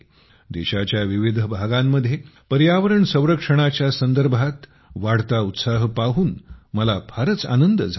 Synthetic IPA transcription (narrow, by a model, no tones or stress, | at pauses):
d̪eɕat͡ɕjaʋiʋid̪ʱəbʱaɡamːəd̪ʱːjepəɾjaʋəɾəɳsə̃w̃ɾəkʂəɽ̃at͡ɕjasənd̪əɾbʱat̪ | ʋaɽ̤t̪aut̪saɦpaɦuːnməlabʱaɾət͡sa̰nənd̪əd͡zʱ